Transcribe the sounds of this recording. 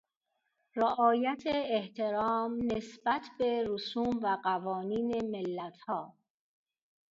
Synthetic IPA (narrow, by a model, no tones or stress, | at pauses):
roʔɒːjæt̪ʰeːht̪ʰe̞ɾɒːmnesbæt̪ʰbe̞ɾosuːmvæɢævɒːniːne̞melːæt̪ʰhɒː